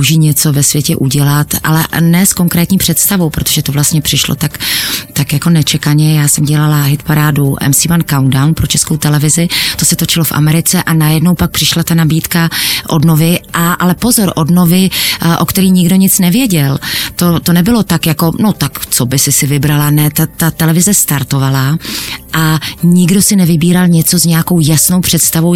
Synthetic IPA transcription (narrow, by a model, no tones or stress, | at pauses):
ʒiːɲɛt͡so̞vɛsvjɛcɛʔuɟɛlat̪ʔa̰lɛnɛsko̞ŋkɾɛːt̪ɲiːpr̝̥ɛt̪st̪avo̞wpɾo̞t̪oʒɛt̪o̞vlast̪ɲɛpr̝̥ɪʃlo̰t̪akt̪akjako̞nɛt͡ʃɛkaɲɛjaːsɛmɟɛlalaɦɪt̪paɾaːduʔɛ̰msimankawndawnpɾo̞t͡ʃɛskowt̪ɛlɛvɪzɪt̪o̞sɛt̪o̞t͡ʃɪlo̞fʔa̰mɛɾɪt͡sɛʔanajɛdno̞wpak̚pr̥ɪʃlat̪anabiːt̪kaʔo̞dno̞vɪʔaʔalɛpo̞zo̞ɾʔo̞dno̞vɪʔo̞kt̪ɛɾiːɲɪɡdo̞ɲɪt͡snɛvjɛɟɛlt̪o̞t̪o̞nɛbɪlo̞t̪akjako̞no̞t̪akt͡so̞bɪsɪsɪvɪbɾalanɛt̪at̪at̪ɛlɛvɪzɛst̪aɾt̪o̞valaʔaɲɪɡdo̞sɪnɛvɪbiːɾalɲɛt͡so̞zɲɛjako̞wjasno̞wpr̝̥ɛt̪st̪avo̞w